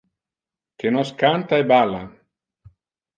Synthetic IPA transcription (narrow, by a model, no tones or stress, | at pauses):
kenɔskant̪aebala̰